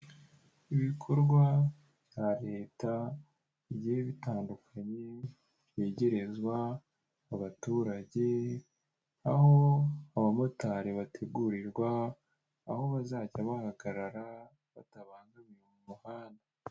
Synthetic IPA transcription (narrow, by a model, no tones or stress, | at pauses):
iβikʰo̞ɾɡwa | ββjaɾe̞ːta | iβɟiheβitaːndukʰaɲe̞ | βe̞ːɟe̞ɾe̞zɡwaː | βatuːɾaɟe̞ | aho̞aβamo̞taɾeβatʰe̞ɡuɾiɾɡwaː | ho̞βazaɟaβahaɡaɾaɾa | βataβaːŋɡaβijumumahaːnda